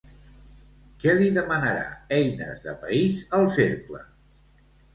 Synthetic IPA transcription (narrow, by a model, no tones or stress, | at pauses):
kɛliðəmənəɾa̰ɛjnə̰zðəpəizəlˠseɾklə̰